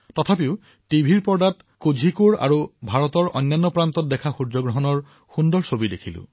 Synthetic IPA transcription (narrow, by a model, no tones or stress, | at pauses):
tɔtʰapiʊ | tibʱiɹpɔɹdat | kud͡ʒʱikuɹa̰ɹubʱaɹɔtɔɹʔɔ̰jnːanːɔpɹant̪ɔt̚dɛkʰaxuɹd͡ʒɔɡɹɔɦɔnɔɹ | xundɔɹsobidekʰilʊ̰̃